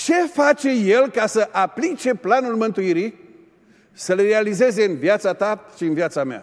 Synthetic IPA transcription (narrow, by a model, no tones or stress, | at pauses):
t͡ʃe̞fat͡ʃe̞je̞lkasəʔaplit͡ʃe̞planulmɨnt̪uiɾi | səlrealize̞ze̞ɨnvjat̪sat̪aʃiɨnvjat̪samea̰